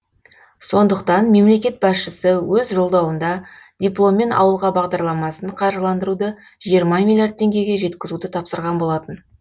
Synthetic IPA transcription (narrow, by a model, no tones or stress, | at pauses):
so̞nd̪əqt̪ɑnme̞mle̞kʲe̞t̪̚bɑsʃɪsɪwɵzʒo̞lˠd̪ɑwənd̪ɑd̪̥ʲijplˠo̞mːe̞nɑ̰wəlˠʁɑbɑʁd̪ɑɾlˠɑmɑsəɴqʰɑɾʒəlˠɑnd̪əɾud̪ə | ʒijəɾmɑmʲilʲjart̪̚ʰːe̞ŋɡʲe̞ɡʲe̞ʒe̞t̪kʲɪzud̪ət̪ʰɑpsəɾʁɑnbo̞lˠɑt̪ən